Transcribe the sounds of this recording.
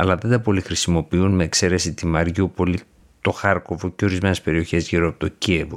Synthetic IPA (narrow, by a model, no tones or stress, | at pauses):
ɐlɐðe̞nd̪ɐpo̞lixɾisimo̞piunme̞ːkse̞ɾe̞sit̪imɐɾʝupo̞li | t̪o̞xɐɾko̞voceo̞ɾizme̞ne̞spe̞ɾio̞çe̞zʝiɾoɐpo̞t̪ocievo